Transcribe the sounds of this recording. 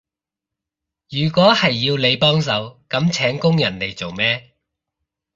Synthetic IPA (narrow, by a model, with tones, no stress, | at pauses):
jyː˨˩kʷɔː˨˥hɐ˨jːiː˧wle˨˧jpɔː˥ŋs̬ɐ˨˧wkɐ˨˥mt͡sʰɛː˨˥ŋkʊ˥ŋjɐ˨˩nle˨˩jt͡so˨wmɛː˥